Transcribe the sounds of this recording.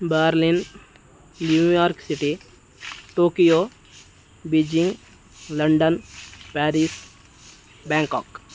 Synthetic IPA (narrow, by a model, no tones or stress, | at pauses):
baɾlin | njujɔːɾksiʈi | ʈoːkijo | bid͡ʒĩŋɡ | ləɳɖənpɛːɾis | bɛ̃ŋkɔ̰ːk